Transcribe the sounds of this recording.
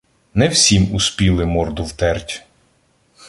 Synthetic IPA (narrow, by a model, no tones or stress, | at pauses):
nɛwsʲimuspʲilˠɪmɔrd̪ʊwt̪ɛrtʲ